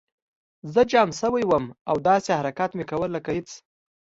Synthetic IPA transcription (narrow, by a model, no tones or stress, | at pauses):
zəd͡ʒɑmsəwəjwəmawd̪ɑsehaɾakat̪mekawəlːəkahet͡s